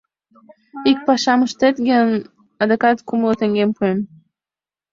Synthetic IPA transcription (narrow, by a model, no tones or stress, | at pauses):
ik̚pɑʃɑməʃt̪et̪ɡən | ɑd̪ekɑt̪kumlˠət̪eŋɡempuem